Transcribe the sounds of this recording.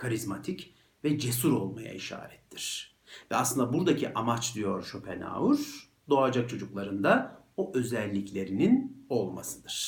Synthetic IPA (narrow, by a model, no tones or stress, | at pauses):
kʰaɾizmat̪ʰic | vɛd͡ʒe̞suɾo̞lˠma̰ja̰iʃa̰ːɾɛt̪ʰːiɾ̥ | vɛasˠɯnd̪abuɾd̪acʰiʔamat͡ʃd̪ijo̞ɾʃupʰena̰ːuɾ̥ | d̪o̞ad͡ʒak̚t͡ʃʰo̞d͡ʒuklˠaɾɯnd̪a | oʔø̞zɛlʲːiclʲe̞ɾinino̞lˠma̰sɯd̪ɯɾ̥